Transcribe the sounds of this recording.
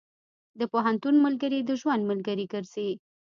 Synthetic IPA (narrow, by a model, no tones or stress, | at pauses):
d̪əpoɦant̪unmalɡəɾid̪əʒwand̪məlɡəɾiɡəɾz̥e